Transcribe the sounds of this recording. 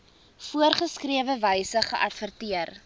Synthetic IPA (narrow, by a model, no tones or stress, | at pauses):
fuərχəskriəvəvəjsəχəʔɐtfərtiər